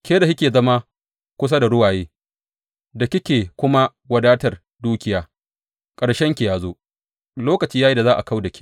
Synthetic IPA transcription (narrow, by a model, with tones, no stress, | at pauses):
kʲe˦da˨jɪ˦kʲeː˨zɐ˦ma˦ | kʷʊ˦s̬a˦da˨ɽʊ˦waː˨jeː˦ | dɐ˨kʲɪ˦kʲeː˨kʷʊ˦ma˦ | wɐ˨daː˦tɐ˨r | duː˦kʲɪ˨jaː˦ | kʼɐ˨ɽʃɛ˦ŋkʲe˨jaː˨zoː˦ | loː˦kɐ˨t͡ʃiː˦ja˦i˦da˨zaː˦ʔa̰˨ka˦wdɐ˨kʲʰi̥˦